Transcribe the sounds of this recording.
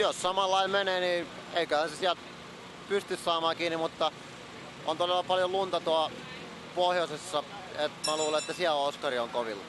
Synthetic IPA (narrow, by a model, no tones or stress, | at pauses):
jossɑmɑlːɑimmeneːniː | eikøhænsesiælt̪ | pyst̪yssɑːmɑːkiːnimut̪ːɑ | ʔont̪odelːɑpɑljollunt̪ɑt̪oɑ | pohjosesːɑ | et̪mæluːleet̪ːæsiælooskɑrioŋkoʋḭlːɑ